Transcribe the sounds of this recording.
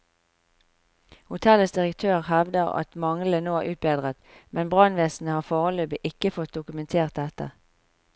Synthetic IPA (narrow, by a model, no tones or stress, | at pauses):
hʊt̪ʰɛləsd̪ɪʁəkt̪ʰøːʁhɛʋd̪əʁɑ̰t̪mɑŋl̩ənoːæːʔʉːt̪̚beːd̪ʁət̪mɛnbʁɑnʋeːsn̩əhɑːfoːʁəløːbəʔɪkəfɔt̪̚d̪ʊkʉmɛnt̪ʰeːʁt̪̚ɛt̪ə̰ʁ